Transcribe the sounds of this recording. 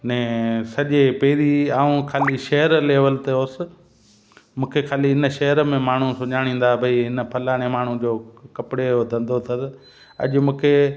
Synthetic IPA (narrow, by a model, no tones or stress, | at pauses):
nɛ̃ːsɐʄepeːɾiaːũkʰaːliʃɐɦəɾleːʋəlt̪eɦoːsɪ̆ | mũːkʰekʰaːliɪnəʃɐɦəɾəmẽmaːɳ̤ũsʊɲaːɽ̃ĩːn̆d̪aːbʱɐiɦɪnə̆pʰɐlaːɽ̃emaːɳ̤ũd͡ʑoːkɐpɪɽeʊd̪ʱɐ̃nd̪ʱot̪ʰɐd̪ | ɐ̰ʄʊmũːkʰe